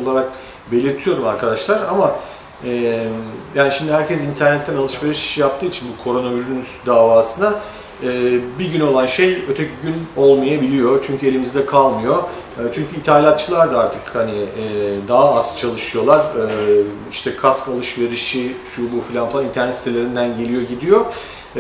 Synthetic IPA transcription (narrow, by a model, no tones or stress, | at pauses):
olˠaɾak̚ | be̞lʲiɾt̪ʰijo̞ɾumaɾkʰad̪aʃlˠaɾama | ɛ | jaːniʃimd̪iɦæɾcɛzint̪ʰæɾnɛt̪ːænalˠɯʃve̞ɾiʃjap̚t̪ʰɯːit͡ʃʰinbukʰo̞ɾo̞noviɾyysd̪aːvaːsɯnaː | biɟyno̞lˠanʃe̞jø̞t̪ʰecʰyɟyno̞lˠmajabilʲijo̞t͡ʃʰyɲcʰye̞lʲimizd̪ɛkʰalˠmɯjo̞ | t͡ʃʰyɲcʰyit̪ʰalʲat̪̚t͡ʃʰɯlˠaɾd̪aaɾt̪ʰɯkhaniɛːd̪aɦaast͡ʃʰalˠɯʃɯjo̞lˠaɾ̥ɯ | iʃt̪ʰɛkʰaskalˠɯʃve̞ɾiʃiʃubufilʲanfˠanint̪ʰæɾnɛt̪si̥t̪elʲe̞ɾind̪ænɟe̞lʲijo̞ɟid̪ijo̞